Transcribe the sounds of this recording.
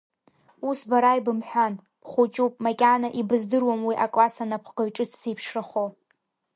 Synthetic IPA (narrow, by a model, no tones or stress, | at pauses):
usbaɾajbɨmħʷᶣan | pʰχʷut͡ʃʼupʼmakʲʼanaʔibɨzdɨrwamwiʔakʼlasanapʰχɡ̥aɥʈ͡ʂʼɨt͡sʰsipʰʂraχo